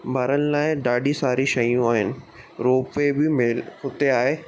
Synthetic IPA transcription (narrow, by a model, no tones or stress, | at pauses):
bʱaːɾənɪlaːɪɖaːɖisaːɾiʃɐjũaːɦɪnɪ̆ | ɾoːpebɪmɪlhʊt̪eaːɦeː